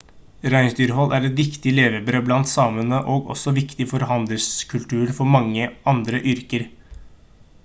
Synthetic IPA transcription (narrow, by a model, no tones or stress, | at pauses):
ɾæɪnsd̪yːɾəɦɔlːʔæɾɛt̪ʋɪkt̪ɪleːʋəbɾøːblɑnt̪sɑːmənəʔoːɡɔ̰sɔʋɪkt̪ɪfɔɾɦɑnd̪ləlskʰʉlt̪ʉːɾfɔɾmɑŋːəɑnd̪ɾəʔʏɾkəɾ